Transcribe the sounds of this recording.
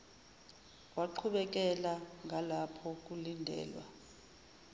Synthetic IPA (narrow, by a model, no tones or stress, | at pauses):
waǃʰuɓɛk̬ʼɛlaŋalapʰɔk̬ulindʱɛ̰ːlwa̰